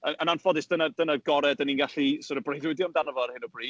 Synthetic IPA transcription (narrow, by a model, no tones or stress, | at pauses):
əənanfɔdɪsd̥ənad̥ənaɡɔɾɛdəninɡaɬisʊɾəbrejðwɪdjɔmdanəvɔɾhɪnɔbriː